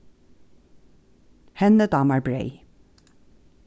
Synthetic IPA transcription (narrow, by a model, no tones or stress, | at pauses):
hɛnəd̪ɑːmɑɹbɹeɪ